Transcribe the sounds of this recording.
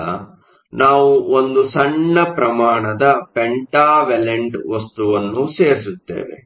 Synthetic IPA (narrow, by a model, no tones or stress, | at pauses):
ɐ̰ | naːʋuond̪usɐɳːɐpɾɐmaːɳɐd̪ɐpeɳʈaːʋeleɳʈʋɐst̪uʋɐnːuseːɾis̬ut̪ːḛːʋḛ